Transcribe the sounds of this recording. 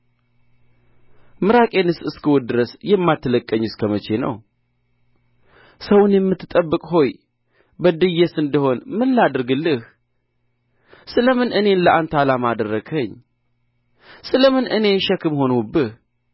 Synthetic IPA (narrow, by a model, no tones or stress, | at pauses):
mɨɾakʼenɨsɨskɨwɔt̪d̪ɨɾəsjɛmːat̪ʰːələkʼːəɲːɨskʰəmət͡ʃe̞nə̰w | səwnjɛmːɨt̪ʰːɨt̪ʼəbːɨkʼɦo̞j | bəd̪ɨjɛsɨnd̪əho̞nmɨlːad̪ɨɾɡɨlːɨh | sɨləmɨnʔɨne̞nləʔant̪ʰalamad̪ərːəɡʰəɲː | sɨləmɨnʔɨne̞ʃɛkɨmho̞nwubɨh